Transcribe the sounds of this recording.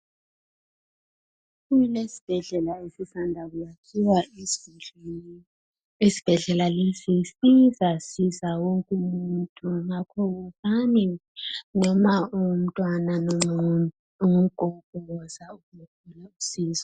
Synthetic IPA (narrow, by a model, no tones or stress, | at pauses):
kujilesi̥b̥ʱɛɮɛlaesisandʱakujakʰiwḁ | esi̥b̥ʱɛɮɛlalesisizasizawoŋkʼumuntʼuŋakʰɔukaninɔmaum̩tʼwanan | umuɡ̥ʱɔɡ̥ʱɔɔzaukumokʰulausiːzɔ